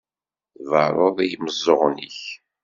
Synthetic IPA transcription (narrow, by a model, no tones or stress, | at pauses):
θvəɾˤoðˤijməzˤːoʁnḭç